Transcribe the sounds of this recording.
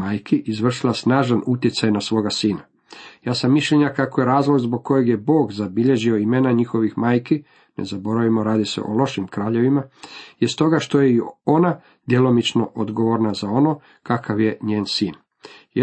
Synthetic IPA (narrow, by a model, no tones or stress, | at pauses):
aːjkiʔizʋr̩ʃilasnaːʒanut̪jet̪sajnasʋoːɡasiːna | jaːsamːiʃʎeɲakako̞je̞ɾaːzlˠo̞ɡzbo̞ɡ̚ko̞jeɡje̞bo̞ːɡzabiʎe̞ʒioimenaɲixo̞ʋixmaːjki | ne̞̰zabo̞ɾaʋimo̞ɾaːd̪isḛʔo̞lo̞ʃimkɾaːʎe̞ʋimajest̪o̞ɡaʃt̪o̞jeiona | d̪jelo̞mit͡ʃno̞ʔod̪ɡo̞ʋo̞ɾnazao̞no̞ː | kakaʋje̞ɲeːnsiːn | j